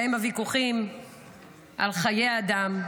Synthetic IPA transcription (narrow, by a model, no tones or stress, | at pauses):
emavikuχim | ʔalχaje̞jad̪am